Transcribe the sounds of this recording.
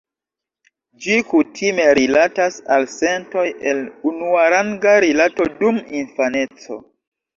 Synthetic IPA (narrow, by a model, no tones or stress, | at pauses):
d͡ʒikutʰime̞ɾilatasalse̞nto̞jʔe̞lunuaɾaŋɡaɾilato̞duminfane̞t͡so̞̰